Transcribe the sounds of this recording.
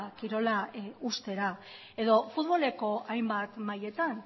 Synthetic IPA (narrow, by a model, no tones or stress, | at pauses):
kiɾo̞laust̪e̞ɾa | e̞ðo̞fut̪βo̞le̞ko̞ajmbat̪maje̞t̪an